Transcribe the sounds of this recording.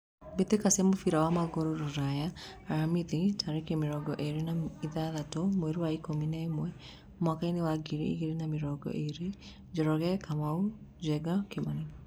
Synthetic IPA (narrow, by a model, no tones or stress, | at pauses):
bet̪ekasɛmofiɾawamaɣoɾoɾoɾajaːɾamiðitʰaɾekemeɾɔɡɔʔeɾenaiðaðatomwɛɾuwaikominaemwɛ | mwakainewaɡiɾḭḭɣeɾenameɾɔɡɔ̰ʔeɾe | d͡ʒɔɾɔɣɛkamau | d͡ʒɛɡakemane